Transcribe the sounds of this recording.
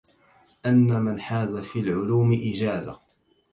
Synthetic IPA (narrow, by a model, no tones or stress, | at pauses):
ʔanːamanħaːzafiːlʕʊluːmɪʔɪd͡ʒaːza̰